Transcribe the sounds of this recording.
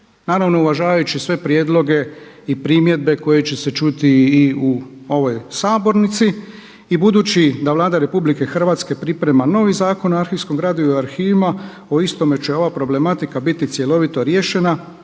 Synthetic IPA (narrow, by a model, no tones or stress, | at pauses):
naːɾaʋno̞uʋaʒaːʋajut͡ʃisʋe̞pɾjed̪lˠo̞ɡe̞ | ipɾimje̞d̪̚be̞ko̞je̞t͡ɕe̞se̞t͡ʃut̪iːuo̞ʋo̞jsaːbo̞ɾnit̪si | ibud̪uːt͡ɕid̪aʋlˠaːd̪aɾe̞publike̞xr̩ʋaːt̪ske̞pɾipɾe̞mano̞ːʋizaːko̞noaɾxiʋskomɡɾaːd̪uioaɾxiːʋima | o̞ist̪o̞met͡ɕeo̞ʋapɾo̞ble̞mat̪ikabit̪it̪sje̞lo̞ʋit̪o̞ɾje̞ːʃe̞na